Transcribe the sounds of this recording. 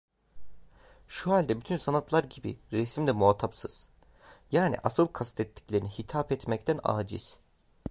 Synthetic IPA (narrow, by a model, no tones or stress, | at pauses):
ʃuɦalʲd̪ɛbyt̪ʰynsanat̪lˠaɾɟibḭɾɛsmd̪ʲɛmuat̪ʰapsɯz̥ | jaːnḭʔasɯlˠkʰast̪ʰɛt̪ʰːi̥clʲe̞ɾinihit̪ʰaːpɛt̪mɛct̪ʰæna̰ːd͡ʒḭz̥